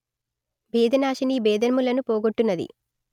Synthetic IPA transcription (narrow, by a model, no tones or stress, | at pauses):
beːd̪ʱɐnaːʃinibɛːd̪ɐnmulɐnupoːɡoʈːunːɐd̪ḭ